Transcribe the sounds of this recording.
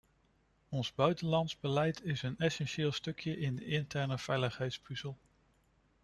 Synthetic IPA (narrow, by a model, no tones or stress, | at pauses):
ɔnzbœɥtənlɑntzbəlɛjtʰɪsənɛsɛnʃɪːlˠstɵkʰjəʔɪndəɪntɛɹnəv̥ɛjləχɦɛjtspyzəlˠ